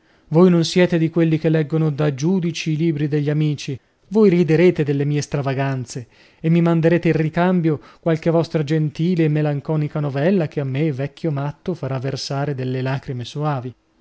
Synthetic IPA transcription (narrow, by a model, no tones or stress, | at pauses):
vojnonsjɛːt̪ed̪ikwelːikelːɛɡːonod̪ad͡ʒuːd̪it͡ʃiːliːbɾid̪eʎːamiːt͡ʃi | vojrid̪eɾeːt̪ed̪elːemiːest̪ɾavaɡant̪seː | mːimand̪eɾeːt̪eirrikambjokwalkevɔst̪ɾad͡ʒent̪iːleːmːelaŋkɔːnikanovɛlːak̟eamːevɛkʰːjomat̪ːofaɾavːersaːɾed̪elːelaːkɾimesoaːvi